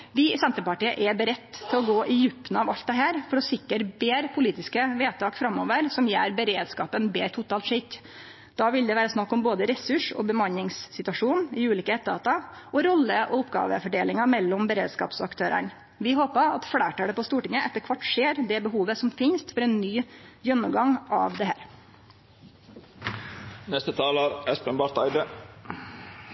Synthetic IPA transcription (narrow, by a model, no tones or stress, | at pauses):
ʋɪsɛnt̪ɾəpɑʈiːə̰ʔɛbəɾɛt̪ːt̪ʰːɪlɔɡoːʔɪjʉpːn̩ɑʋɑlt̪̚d̪ɛɦæːɾfɔɾɔsɪkːəɾbeːɾpʰʊliːt̪ɪskəʋeːt̪ʰɑːkfɾɑmːɔːʋəɾsɔmjæ̰ːɾbəɾeːd̪skɑ̰ːpənbeːɾt̪ʰʊt̪ʰɑːlt̪ʂɪk̪ː | d̪̥ɑːʋɪld̪ɛʋæːɾəsnɑkːɔmboːd̪əɾɛsʉʂɔ̰bəmɑnːɪŋsːɪt̪ʉɑʂuːnɪʉːliːkəɛt̪ːɑ̰ːt̪ɑɔɾɔlːəʔɔʊpɡɑ̰ːʋə̰fɔɖeːlɪŋɑmɛlːɔmbəɾḛːd̪skɑ̰ːpsɔɑkt̪ʰøːɾə̰ɳ | ʋɪɦoːpəɑt̪fɽæːʈəɖɛpɔst̪uːʈɪŋəʔɛt̪ːəɾkʰʋɑʈːʂeːɾd̪ɛbəɦuːʋəsɔmfɪnst̪fɔɾɛːnːyːjœnːʊmɡɑŋɑ̰ːʋd̪ɛɦæːɾ | nɛst̪ət̪ʰɑːləɾɛspənbɑɾt̪æɪd̪ə